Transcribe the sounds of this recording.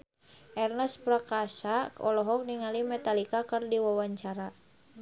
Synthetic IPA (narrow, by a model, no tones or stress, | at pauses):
ʔɛrnɛspɾakasaɔ̰lɔɦɔk̚niŋalimɛt̪alikakɨrdiwawaɲt͡ʃaɾa